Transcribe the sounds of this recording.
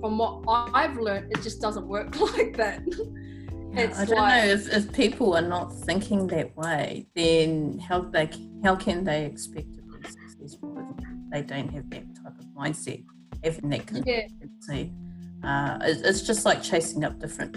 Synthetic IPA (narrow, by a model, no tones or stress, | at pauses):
fɹʌ̃mwʌɾaaɪvlɜ̃˞ntɨt̚d̥ʒ̥ʌsd̥ʌzə̃nʔwɜ˞klaɪk̚ðæt̚ | jɪtaɪdõʊ̃nnːoʊɨfɪfpʰipʰl̩ˠə˞nət̪̚θɪ̃ŋkʰɪ̃ŋðɨʔ̚weɪðɨ̃nhaʊðeɪkʰhaʊkʰɨ̃nðeɪɨkspɛk̚tɨk̚ʰissɨzbəkʰɔzðeɪdõʊ̃nʔ̚ɦɨvðɨt̚tʰaɪpʌvmãɪ̃nd̥sɛ̰t̚ | hævɪ̃ŋðɨt̚kʰʌ̃næ̃nsi | ʌɪ̰tɪtsd̥ʒ̥ʌst̚ˡlaɪk̚t͡ʃʰeɪsɪ̃ŋʌp̚d̥ɪfɹɨ̰̃n